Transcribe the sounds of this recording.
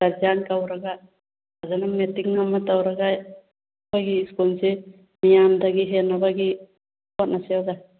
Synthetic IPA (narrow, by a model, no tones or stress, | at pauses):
aɾd͡ʒankawɾaɡa | azanametiŋnamːat̪awɾaɡaj | baɡiːskunse | mijand̪aɡiɦenabaɡi | pɔt̚naseawɡa